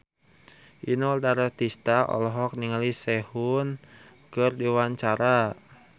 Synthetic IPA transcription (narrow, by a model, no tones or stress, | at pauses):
ʔinɔldaɾart̪ist̪aʔɔ̰lɔɦɔk̚niŋalisɛhun | kɨrdiwaɲt͡ʃaɾa